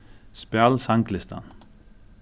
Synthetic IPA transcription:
spalsaŋklɪst̪a̰n

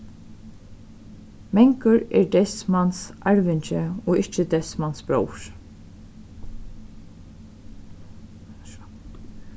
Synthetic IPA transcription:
mɛŋkəɹɛːɹd̪ɛsmansaɹʋɪɲt͡ʃəɔːɪht͡ʃəd̪ɛsmansbɹo̰wɹ̥

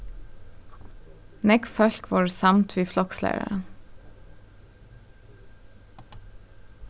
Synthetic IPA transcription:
nɛɡfœɬkʋɔːɹsɑmt̪ʰʋiːflɔkslæ̰ɪ̰ə̰

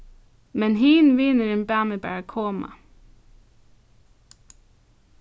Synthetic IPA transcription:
mɛnɦiːnʋɪnəɾenbæːməbæ̰ːɹkʰoːmɑ̰

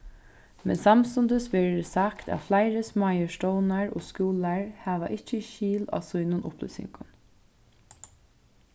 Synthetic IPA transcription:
mɛ̰nsamst̪ʊnd̪əsʋeːɾsakt̪æ̰flaɪɾəsmaːjəʂtɔːwnaɹo̰ːskuːlaɹhæːʋaʔɪht͡ʃəʃiːla̰ːsujnʊnʔʊplʊ̰sɪ̰ŋkʊn

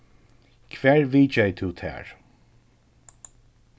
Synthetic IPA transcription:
kʰvɛːɹviːt͡ʃɛjt̪ʰuːt̪ʰɛ̰ːɹ

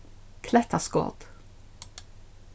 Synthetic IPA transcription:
kʰlɛt̪ʰəsko̰ːʁd̪̥

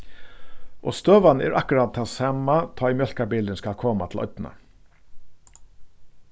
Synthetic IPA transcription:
ʔɔ̰ːst̪øːʋanəɛ̰ːɹʔakʊɾat̪̚ʰːaːsɑmat̪ʰɔːimjœl̥kabiːləɪnskalkʰoːmat̪ʰl̩ɔ̰ʏt̪na̰

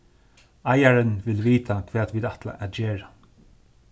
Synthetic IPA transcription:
ajaɹənʋɪlʋiːt̪ʰakʰʋɛːd̪ʋiːd̪at̪la̰ʔaːt̪d͡ʒeːɹa

